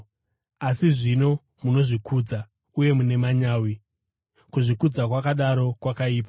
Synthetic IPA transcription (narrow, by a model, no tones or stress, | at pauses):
asiʐino̞ | muno̞ʐikʰuːd͡za | uje̞mune̞maɲaːwi | kuʐikud͡zakwakaɗaɾo̞kwakaiːpa